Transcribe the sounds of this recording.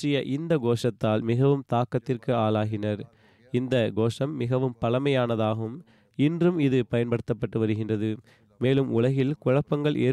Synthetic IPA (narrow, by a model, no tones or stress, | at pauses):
rɪjɐʔɪnd̪ɐɡoːʂɐt̪ːaːlmɪɣɐʋɯmt̪aːkːɐt̪ːɪrkɯaːlaːɣɪnɐɾ | ɪnd̪ɐɡoːʂɐmːɪɣɐʋɯmpɐlɐmɐjaːnɐðaːɣɯm | ɪndrɯmɪðɯpɐjɐnpɐɽɯt̪ːɐpːɐʈːɯʋɐɾɯɣɪndrɐðɯ | meːlɯmʊɭɐɣɪlkʊɻɐpːɐŋɡɐɭʔḛː